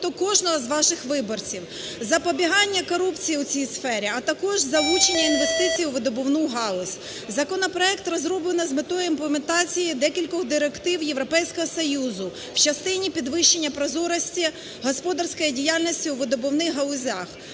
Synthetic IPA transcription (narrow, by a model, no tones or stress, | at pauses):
t̪ɔkɔʒnɔɦɔzʋɑʃɪxʋɪbɔrt͡sʲiw | zɐpɔbʲiɦɑnʲːɐkɔɾupt͡sʲijiʊt͡sʲijsfɛɾʲiɐt̪ɐkɔʒzɐlˠut͡ʃenʲːɐinʋe̞st̪ɪt͡sʲijuʋɪd̪ɔbɔwnuɦɑlˠɔsʲ | zɐkɔnɔpɾɔɛkt̪rɔzɾɔblˠenɐzmet̪ɔjʊimplˠement̪ɑt͡sʲijid̪ɛkʲilʲkɔɣd̪ɪɾekt̪ɪwjeʋɾɔpɛjsʲkɔɦɔsɔjuzʊ | wt͡ʃɐst̪ɪnʲipʲid̪ʋɪʃt͡ʃːenʲːɐpɾɔzɔɾɐsʲtʲi | ɦɔspɔd̪ɐrsʲkɔjidʲijalʲnʲɔsʲtʲiuʋɪd̪ɔbɔwnɪɦɐlˠʊzʲɑx